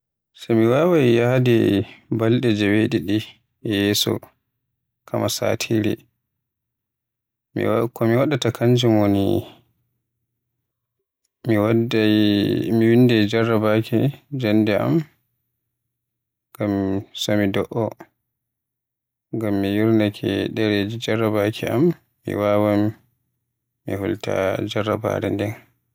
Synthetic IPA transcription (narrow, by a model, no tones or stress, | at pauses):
samiwawajjadɛbalɗɛd͡ʒɛweɗiɗi | jɛːsɔ̰ | kʰamʔasa̰ːtʰiɾḭ | mkɔmiwaɗatakʰaɲd͡ʒimoni | mi | miwindɛd͡ʒarːabakʰid͡ʒanːdɛʔa̰m | ɡ̥amsamidɔʔɔ | ŋɡamːijiɾnakʰɛɗɛɾed͡ʒid͡ʒarːabakʰɛʔamː | ḭwaːwam | mḭhṵlta̰d͡ʒara̰ba̰ɾɛ̰ndɛn